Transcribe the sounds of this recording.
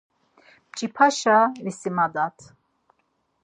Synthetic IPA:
bt͡ʃʼipʰaʃavisimad̪at̪ʰ

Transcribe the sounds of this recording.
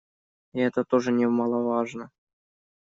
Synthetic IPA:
ɛt̪ət̪oʐənʲemɑlˠɑvɑʐnə

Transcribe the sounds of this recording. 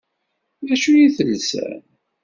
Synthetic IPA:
æʃujiθəlsæ̰n

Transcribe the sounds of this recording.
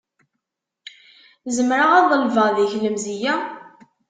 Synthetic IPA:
zəmɾaʁɑðˤəlvəðiçləmzijæ

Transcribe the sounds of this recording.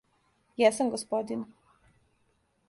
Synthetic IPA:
jɛsamɡospod̪in

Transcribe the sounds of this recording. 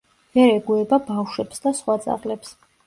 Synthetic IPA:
vɛɾɛɡuɛbabafʃwɛpsd̪asχwat̪sʼa̰ʁlɛps

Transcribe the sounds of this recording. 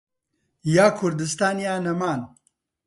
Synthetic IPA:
jaːkʰʊɾd̪ɨst̪aːnjaːnɐmaːn

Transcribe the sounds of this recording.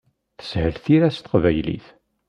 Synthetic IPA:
θə̥shəlθiɾæst̪ə̥qvæjlḭθ

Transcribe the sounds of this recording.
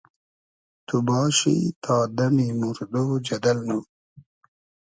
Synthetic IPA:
t̪ubɑːɕḭt̪ʰɑːd̪ɐmimuɾd̪oːd͡ʑɐd̪ɐlnu

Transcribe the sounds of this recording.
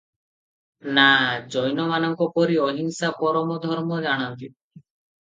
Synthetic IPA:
nad͡ʒɔjnɔmanɔŋkɔpɔɾiɔɦiŋsapɔɾɔmɔd̪ʱɔɾmɔd͡ʒaɽ̃ant̪i

